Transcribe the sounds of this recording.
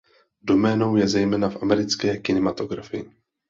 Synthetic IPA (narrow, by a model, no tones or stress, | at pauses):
do̞mɛːno̞wjɛzɛjmɛːnafʔamɛɾɪt͡skɛːkɪnɛmat̪o̞ɡɾafɪɪ